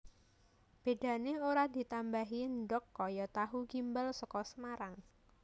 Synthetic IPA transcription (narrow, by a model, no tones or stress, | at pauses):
b̥e̤ɖ̥a̤neoɾad̪i̤t̪ambaɦindɔkːɔjɔt̪aɦuɡ̥imbalsɔkɔsəmaɾaŋ